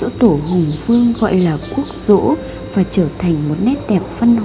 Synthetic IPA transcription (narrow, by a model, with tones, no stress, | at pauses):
o̰˧˥t̪o˧˩ɦʊ˨˩ŋ͡mfɨ˧əŋɣɔ̰˧˨jlaː˨˩ku˦˥ək̚z̥o̰˧˥ | vaː˨˩t͡ɕəː˧˩t̪ʰa˨˩jŋ̟mo˨˩t̚nɛ˦˥t̚ɗɛ˨˩p̚fə˧n